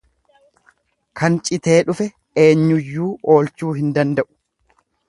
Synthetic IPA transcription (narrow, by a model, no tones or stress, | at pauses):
kʰɐnt͡ʃʼɪt̪e̞ːᶑʊfɛ | eːɲːʊjːuːo̞ːlt͡ʃuːɦɪnd̪ɐnd̪ɐʔʊ̥